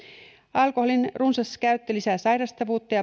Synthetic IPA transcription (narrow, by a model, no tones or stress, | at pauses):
ɑlkoholinrunsɑskæɥt̪ːølisæːsɑjɾɑst̪ɑʋuːt̪ːɑjɑ